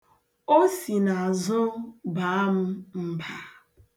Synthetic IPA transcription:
o˦si˨na˨zʊ˦ba˨˦m̩˦m̩˦ba˦

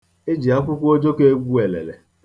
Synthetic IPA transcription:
e˦d͡ʒi˨a˦ŋ̩˦kʷʊ˦kʷo˦d͡ʒo˦ke˦ɡʷu˦e˨lḛ˨lḛ˨

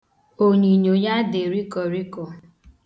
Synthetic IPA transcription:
o˨ɲi˨ɲo˨ja˦de˨ɾi˦kɔ˨ɾi˦kɔ˨

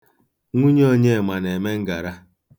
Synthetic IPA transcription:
ŋʷu˦ɲe˦o˦ɲe˦˨ma˨ne˨me˦ŋ̩˦ɡa˨ɾa˦

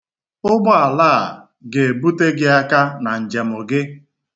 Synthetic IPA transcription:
ʊ˦ɡ͡bɔ˦a˨laː˦˨ | ɡe˨e˨bu˦te˦ɡɪ˦a˦ka˦na˨n̩˨d͡ʒe˨mʊ˨ɡɪ˦

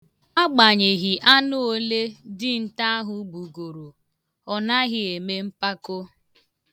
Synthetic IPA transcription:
a˦ɡ͡ba˨ɲe˨ɣi˨ʔa˦nʊ˦o˦le˦dɪ˦n̩˨ta˦ɦʊ˨ɡ͡bu˨ɡo˨ɾo˨ | ɔ˨na˦ɣɪ˨e˨me˦m̩˦pa˦ko˦

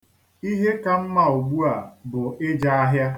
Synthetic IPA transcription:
i˦ɦe˦ka˨m̩˦ma˨u˨ɡ͡bu˦a˨bʊ˨ɪ˦d͡ʒa˦a˦ɦja˦

